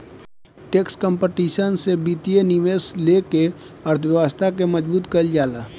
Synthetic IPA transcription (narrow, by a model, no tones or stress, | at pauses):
ʈeːkskəmpeʈiːʃənsebiːt̪ieniʋeːsleke | əɾt̪ʰʋjəʋast̪ʰak̬eməd͡ʒbuːt̪kəld͡ʒaːlaː